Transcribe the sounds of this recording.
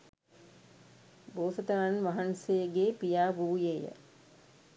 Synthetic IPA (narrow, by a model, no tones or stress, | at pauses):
boːsət̪ɐɾanʋaɦansejəɡeːpijaːʋuːjeːjə̰